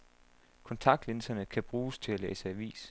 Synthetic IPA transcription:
kʰɒ̽nt͡sʰɑ̈ɡ̥̚d̥lensɐnəkʰæb̥ʁuːst͡sʰe̝lælḛːsəæʋḭːs

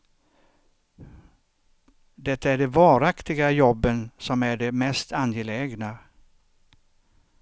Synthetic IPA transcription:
d̪ɛt̪ːaæɖɛvɑːɾakt̪ɪɡajɔbːənsɔmæɖɛmɛst̪ʰanjɛlɛːɡna

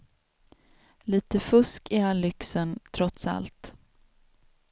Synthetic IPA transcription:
liːt̪əfɵskɪalʏksənt̪ʰɾɔt̪sa̰lt̪

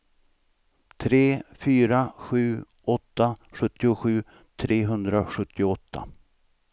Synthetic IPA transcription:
t̪ʰɾeːfyːɾaɧʉ̟ː | ʔɔt̪ːaɧɵt̪ːɪʊɧʉ̟ː | t̪ʰɾeːɦɵnd̪ɾaɧɵt̪ːɪʊɔt̪ʰːa̰

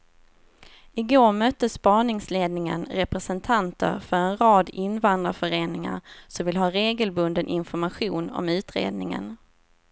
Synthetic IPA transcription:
ɪɡoːɾmœt̪ːəspɑːɳɪŋsleːd̪nɪŋə̰nɾɛpɾɛsɛnt̪ʰant̪ə̰ɾfœɾɛnɾɑːd̪ɪnvand̪ɾafœɾeːnɪŋa̰ɾsɔmvɪlɦɑːɾeːɡəlbɵnd̪ənʔɪ̰nfɔɾmaɧuːnɔ̰mʉ̟ːt̪ɾḛːd̪nɪŋə̰n

